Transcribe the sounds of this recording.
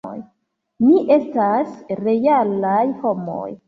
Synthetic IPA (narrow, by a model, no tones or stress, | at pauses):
j | niʔe̞stasɾe̞jalajho̞mo̞̰j